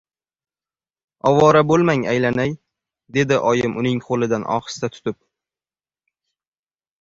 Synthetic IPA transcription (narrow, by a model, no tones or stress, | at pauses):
ɒwɒɾabolˠmaŋajlanaj | d̪e̞d̪ɪʔɒjɪmʔʊnɪŋqʰolɪd̪anʔɒ̰χɨ̥st̪at̪ʰʊ̥t̪ɪp̚